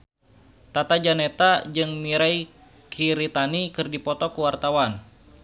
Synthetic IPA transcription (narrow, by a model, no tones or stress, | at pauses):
t̪at̪ad͡ʒanet̪ad͡ʒɨŋmiɾaj | kʰiɾit̪anikɨrdipɔt̪ɔkuwart̪awan